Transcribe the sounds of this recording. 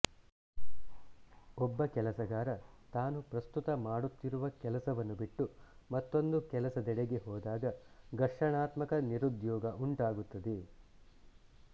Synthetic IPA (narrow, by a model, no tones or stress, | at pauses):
ɔbːɐkɛlɐsɐɡaːɾɐt̪aːnupɾɐst̪ut̪ɐmaːɽut̪ːiɾuʋɐkɛlɐsɐʋɐnːubiʈːumɐt̪ːo̞nd̪ukɛlɐsɐd̪ɛɽeɡeɦɔːd̪aːɡɐ | ɡɐʂɐɳaːt̪mɐkɐniɾud̪jɔːɡɐʔuɳʈaːɡut̪ːɐd̪e